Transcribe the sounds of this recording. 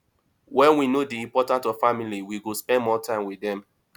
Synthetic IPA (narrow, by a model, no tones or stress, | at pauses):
wɛ̃nwinodiĩmpɔtãntɔv̥familiwiɡospɛ̃nmɔtʰãɪ̃mwiθɛ̃m